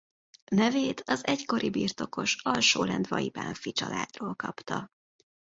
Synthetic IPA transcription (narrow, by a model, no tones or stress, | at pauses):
nɛveːt̪ʰɒzɛcko̞ɾibiːrt̪o̞ko̞ʃɒlʃoːlɛnd̪vɒiba̰ːɱfit͡ʃɒla̰ːd̪roːlkɒpt̪ɒ